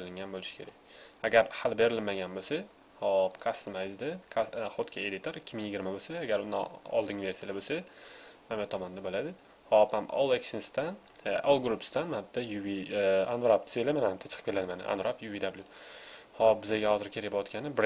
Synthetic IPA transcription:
eɾɪlɪŋɡʲanbolɪʃɪ̥kʰʲe̞ɾakʲaɡʲaɾhalbe̞ɾɪlmaɡʲanbosa | hɒpkʰast̪majzd̪akʰχot̪kʲʰaed̪ɪt̪ʰoɾɪkʲʰːɪmɪŋjɪɡʲɪɾmabosaːɡʲaɾʊn̰ɒ̰lˠd̪ɪŋve̞ɾsijalabosamamat̪ʰɒmɒnɪd̪abolad̪ɪ | hɒphamo̰lˠekʲsɪnst̪an | olˠɡɾupst̪anhat̪ːɒjuvianvaɾap̪̚selmanhamt̪ʰḁt͡ʃʰqʰɨ̥pkʲelad̪ɪmanɪ̰ʔa̰nɾapjuvid̪ablʲˠjʊhɒp̚bɪzaɡʲahɒzɪɾkʲʰe̞ɾɪjpɒt̪kʲanɪbɾ

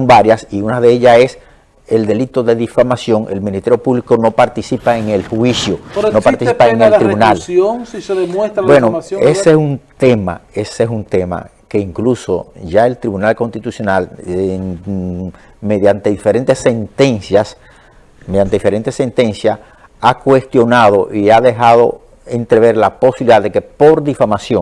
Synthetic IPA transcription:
mbaɾjasiunaðe̞eʝae̞s | e̞ld̪e̞lit̪o̞ðe̞ðifamasjo̞ŋe̞̰lmĩnist̪eɾjopuβlikono̞paɾt̪isipaeŋelhwisjonopaɾt̪isipaeŋelt̪ɾiβunaloŋseðemwest̪ɾbwenoesesunt̪e̞ma̰esesunt̪e̞ma̰keiŋklusoʝae̞lt̪ɾiβunalkonst̪it̪usjo̞nal | me̞ðjant̪e̞ðifeɾe̞nt̪e̞sːent̪e̞nsjas | meðjant̪eifeɾe̞nt̪esːe̞nt̪ensja | akwe̞st̪jo̞naðo̞ʔiaðe̞ɦað̞o̞̰ | ent̪ɾe̞βe̞ɾlapo̞siβiliðaðe̞ke̞po̞ɾðifamasjoŋ

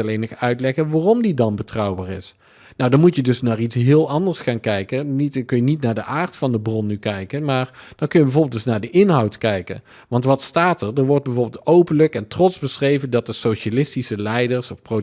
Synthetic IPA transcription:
ɛlejnəχœɥtlɛɣənʋaːrɔmdidɑnbətrɑwbaːɹɪs | nawdɑnmutjədɵsnaːɹitsɦɪːlˠɑndəɹsχaːnkɛjkənitkɵnjənitnaːɹdəʔaːɹtfɑndəbrɔnːykɛjkənmaːɹd̥ɑnkɵnjəbɛvoːbɪlˠd̥ɵsnaːɹdəʔɪnɦɑwtkɛjkə̰n | ʋɑntʋɑtstaːtəɹdəɹʋɔɹd̚bɛvoːɹbɪlˠtowpənləkɛntrɔtzbəsrejvəndɑt̚dəsowʃalɪstisəlɛjdəɹsɔfpro

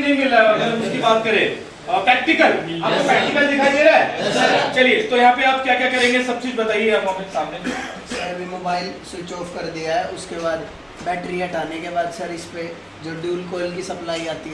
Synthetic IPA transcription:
nɐɦĩmɪlaɛɐɡɐlmʊskibaːt̪̚kɐɾẽ | pɾɛːk̚ʈɪkəlaːp̚kopɾɛːk̚ʈɪkəld̪ɪkʰaːid̪eːɾaɛsɐt͡ʃɐliet̪ojɐɦãːpeaːp̚kjaːkjaːkɐɾẽːŋɡesɐb̚t͡ʃiːd͡ʒbɐt̪aːiɦɛɐmomksaːmnesɐɾɐbʱimoːbaːɪlsut͡ʃoːfkɐɾd̪ijaɦɛʊskebaːd̪ | bɛːʈɾiaɐʈʰaːnekebaːd̪sɐɾɪspe | d͡ʒoːɖuːlkoːɪlkisɐplaːiaːt̪iɦɛ

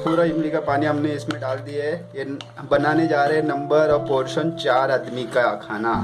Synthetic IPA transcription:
puːɾaɪmlikapaːniɦɐmneɪsmẽɖaːld̪iaɦɛje | bɐnaːned͡ʒaːɾeɦɛnɐ̃mbəɾɔːɾpoːɾʃənt͡ʃaːɾaːd̪mikakʰaːna

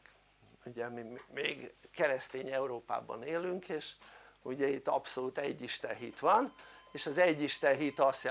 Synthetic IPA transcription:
uɟɛmimmeːɡkɛɾɛst̪eːɲɛuɾoːpa̰ːbɒ̰neːlyŋkʰeːʃuɟɛit̪ːɒpsolut̪ɛɟːiʃt̪ɛnɦḭt̪ʋɒneːʃɒzɛɟːiʃt̪ɛnɦit̪ɒst̪j

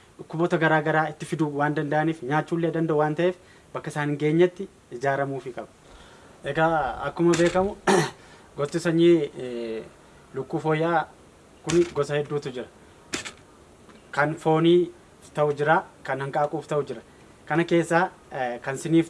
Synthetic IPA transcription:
ʊkːʊbɔt̪ɐɡɐɾaːɡɐɾaːɪt̪ːɪfɪd̪uːwaːnd̪ɐnd̪ɐʔɐniːfɲaːt͡ʃːuːlːeːd̪ɐnd̪ɐʔʊwaːnt̪ɐʔe̞ːf | bɐkːɐɪsaːnɪŋɡe̞ːɲːɐt̪ːɪ | ɪd͡ʒaːɾɐmuːfɪkʼɐbɐ̥ | ʔɛɡɐɐkːʊmɐbe̞ːkɐmʊ | ɡɔt̪ːɪsɐɲːiː | lʊkːuːfoːjːʔaː | kʊnɡɔsɐhɛd̪ːuːt̪ʊd͡ʒɪɾɐ̥ | kɐnfo̞ːniː | t̪ɐʔʊd͡ʒɪɾaːkɐnhɐŋkʼɐʔːkʼuːft̪ɐʔʊd͡ʒɪɾɐ̥ | kɐnɐke̞ːsːaː | kɐnsɪniːf

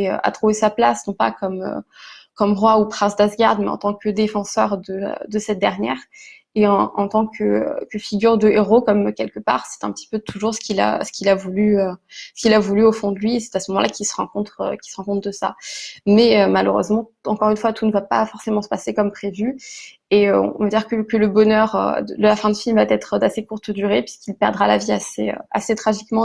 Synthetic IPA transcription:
eø̰a̰t̪χuvesaplasnɔ̃pa̰kɔmø̰kɔmʁwaupχɛ̃sd̪asɡʲaʁd̪mɛ̰ɑ̰̃t̪ɑ̃kəd̪efɑ̃sœʁd̪ə̰d̪əsɛt̪̚d̪ɛʁnjɛ̰ːʁ | eɑɑ̃t̪ɑ̃kʰəkəfiɡʲyʁd̪əeʁokɔmkʲɛlkəpa̰ʁsɛ̥t̪ɛ̃pə̥t̪i̥pøt̪ʰuʒuʁsə̥kʲila̰sə̥kʲilavulyøsə̥kʲilavulyofɔ̃d̪əlɥiesɛ̥t̪asəmɔmɑ̃lʔakʲilsə̥ʁɑ̃kɔ̃t̪χø̰kʲi̥səʁɑ̃kɔ̃t̪̚d̪əsa̰mɛømalø̰ʁø̰zmɑ̃ | ɑ̃kɔʁynfwat̪ʰunəvapa̰fɔʁsemɑ̃sə̥pasekɔmpχevy | eøɔ̰̃vad̪iʁkəkələbɔnœʁø̰d̪əd̪əlafɛ̃d̪yfilmvad̪ɛt̪χəd̪asekuʁt̪d̪yʁepɥiskʲilpɛʁd̪ʁalaviasḛø̰a̰set̪χaʒikmɑ̃

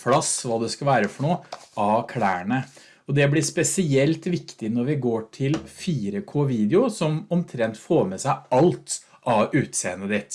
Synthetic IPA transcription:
flɑsʋɑːd̪ɛskɑʋæːɾəfɔɳoːɑːkʰlæːɳə | ɔd̪ɛblɪspɛsɪɛlt̪ʋɪkt̪ɪnɔɾʋɪɡoːʈʰɪlfiːɾəkʰoːʋiːd̪ɪʊsɔmɔmt̪ʰɾɛnt̪foːɾmɛsæɪʔɑlt̪ | ʔɑʉːt̪seːənːəd̪ɪt̪ː

